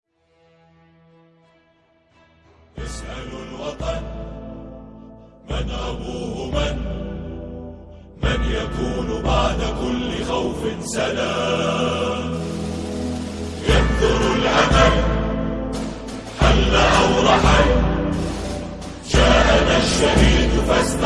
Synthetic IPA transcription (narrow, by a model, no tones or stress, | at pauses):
ʔɪsʔalʊlwɑt̪ˤɑn | manʔabuːhʊman | manjakuːnbaʕd̪akʊlːɪxawfɪsalaː | jɑnðˤʊɾalʕamal | ħalːaʔawɾˤɑħa | d͡ʒaːʔanaʃːahiːd̪fast̪